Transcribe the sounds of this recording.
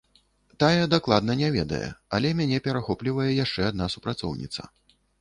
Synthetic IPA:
t̪ajɛd̪aklˠad̪nɐnʲɛvʲɛd̪ɐ̰jɛ̰ɐlʲɛmʲanʲɛpʲɛɾaxɔplʲivɐjɛjaʂt͡ʂɛad̪̚nasupɾat̪sɔ̰wnʲḭt̪sɐ̰

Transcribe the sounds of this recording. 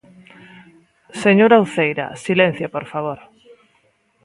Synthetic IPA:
seɲoɾawθejɾɐ̰silẽn̟θjapoɾfaβ̞oɾ

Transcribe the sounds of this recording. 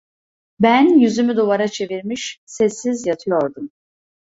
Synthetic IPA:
bænjyzymyd̪ovaɾat͡ʃʰe̞viɾmiʃsɛsːizjat̪ʰɯjo̞ɾd̪um

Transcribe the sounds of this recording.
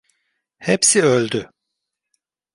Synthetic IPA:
hepsiølʲd̪y

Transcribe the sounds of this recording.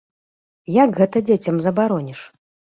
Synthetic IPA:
jaɡɣɛt̪ɐd͡zʲet͡sʲɐmzɐbaɾɔnʲiʂ

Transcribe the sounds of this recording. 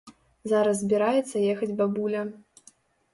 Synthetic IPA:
zaɾɐszʲbʲiɾajɛt̪sːɐjɛxɐd͡zʲbabulʲɐ

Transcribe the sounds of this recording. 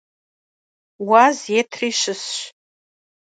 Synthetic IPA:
wazjetʰriʃɨsʃʷ

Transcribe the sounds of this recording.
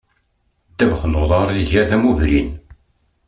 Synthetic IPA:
t̪ːævχnoðˤɑɾˤiʝæðæmuvɾḭn

